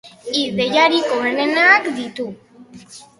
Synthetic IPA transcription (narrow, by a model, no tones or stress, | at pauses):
iðe̞jaɾikoenenakd̪it̪u